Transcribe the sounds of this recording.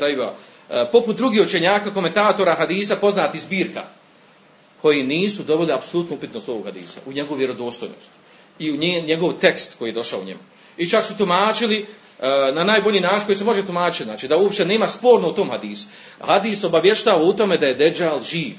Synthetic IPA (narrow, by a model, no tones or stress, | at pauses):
ajʋa̰ | po̞put̪̚d̪ɾuɡiːhot͡ʃe̞ɲaːkako̞ment̪aːt̪o̞ːɾaɦad̪iːsapo̞znaːt̪izbiːɾka̰ | kʰo̞jiniːsud̪o̞biliapsolut̪nuupit̪nost̪ooɡhad̪ḭːsa̰ʔuɲe̞ɡouʋje̞ɾo̞d̪o̞ːst̪ojno̰st̪ | iuɲeɲe̞ɡo̞ʋt̪e̞kst̪ko̞jiːjed̪o̞ʃaoṵɲḛmu | it͡ʃaksut̪umaːt͡ʃili | nanaːjbo̞ʎiːnaːt͡ʃinŋkoise̞mo̞ʒet̪umaːt͡ʃit̪zaːt͡ʃiːd̪auopʃt̪e̞ne̞ːmaspo̞ːɾnout̪o̞ːmhad̪iːsu̥ | had̪iːso̞baʋje̞ʃt̪aːʋaut̪o̞me̞d̪aje̞d̪ed͡ʒalʒiːʋ